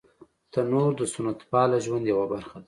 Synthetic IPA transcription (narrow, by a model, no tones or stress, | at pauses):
t̪anoɾd̪əsʊnat̪pɑlaʒwand̪jawabaɾxad̪a